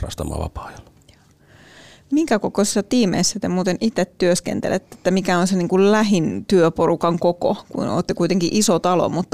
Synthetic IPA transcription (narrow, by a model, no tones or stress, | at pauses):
ɑ̰st̪ɑmɑ̰ːʋɑ̰pɑ̥ːjɑlː | jɑ̥ː | miŋkækokosisːɑt̪iːmḛisːæt̪emuːt̪enʔit̪et̪tyøskḛnt̪ḛlʔet̪ːee̥t̪ːæmikæonseniːŋkullæɦint̪yøpoɾukɑŋkoko̰kṵno̰ːt̪ːekuit̪eŋkiʔisot̪ɑlo̰mut̪ːɑ